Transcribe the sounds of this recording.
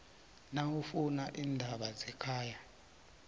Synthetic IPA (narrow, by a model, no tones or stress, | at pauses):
nawufunaʔiːndʱaɓazɛkʰaːja